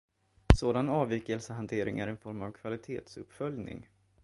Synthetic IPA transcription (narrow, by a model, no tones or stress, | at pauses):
soːd̪anɑːviːkəlsəɦant̪ʰeːɾɪŋæɾɛnfɔɾmavkʰvalɪt̪ʰeːt̪sɵpːfœljnɪ̰ŋ